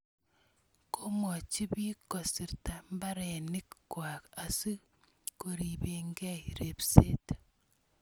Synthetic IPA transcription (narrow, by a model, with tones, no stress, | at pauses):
kʰo˦mɔ˨t͡ʃi˦bi˦kɔ˨si˨ɾta˨mba˦ɾɛ˨ni˦kkwa˨ka˨si˦ | ko˨ɾi˨be˨ŋɡɛ˦iɾe˨psḛ˦t